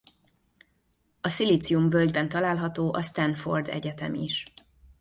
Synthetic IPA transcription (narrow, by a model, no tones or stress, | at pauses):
ɒsiliːt̪siumvølɟbɛnt̪ɒlaːlɦɒt̪oːʔɒst̪ɛnfo̞̰rd̪ɛ̰ɟɛt̪ɛ̰miʃ